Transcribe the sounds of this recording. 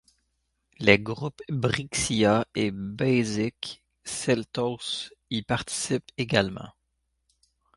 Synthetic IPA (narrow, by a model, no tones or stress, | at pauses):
leɡʁupbʁiksiaebɛjzik | sɛlt̪ɔsipaʁt̪i̥sipeɡalmɑ̰̃